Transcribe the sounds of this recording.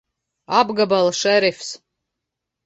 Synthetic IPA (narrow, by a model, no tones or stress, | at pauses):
abɡabalˠʂɛɾefʲs